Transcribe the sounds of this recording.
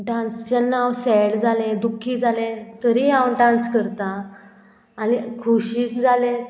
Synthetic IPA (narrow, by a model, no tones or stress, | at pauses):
ɖãnst͡ɕanːawsɛɽd͡zalẽd̪ukʰːiːd͡zalẽt̪əɾiãwɖãnskəɾt̪aː | nikʰuɕiːkd͡zalẽ